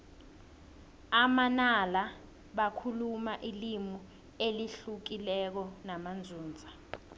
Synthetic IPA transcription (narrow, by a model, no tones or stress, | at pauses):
amanala | ɓakʰulumaʔilimu | eliɬuk̬ilɛk̬ɔnamand͡zʱuːnd͡zʱa